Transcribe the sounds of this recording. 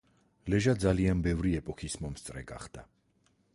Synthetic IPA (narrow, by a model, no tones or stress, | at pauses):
lɛʒad̪zalianbɛvɾiɛpʼɔkʰismɔmst̪sʼɾɛɡa̰χd̪̥a